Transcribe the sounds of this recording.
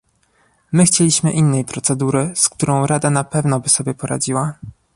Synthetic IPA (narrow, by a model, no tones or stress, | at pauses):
mɘxt͡ɕelʲiɕmɘʔinːɛjpɾɔt̪sɛd̪uɾɘskt̪uɾɔ̃w̃ɾad̪anapɛvnɔbɘsɔbʲjɛpɔɾa̰d͡ʑiwa